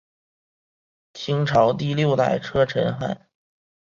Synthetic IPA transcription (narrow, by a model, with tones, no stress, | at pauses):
t͡ɕʰi˥ŋʈ͡ʂʰɑ˧˥ʊt̪i˥˧ljo˥˧ʊt̪a̰˥˩ɪʈ͡ʂʰɤ˥ʈ͡ʂʰə˧˥nxa̰˥˩˦n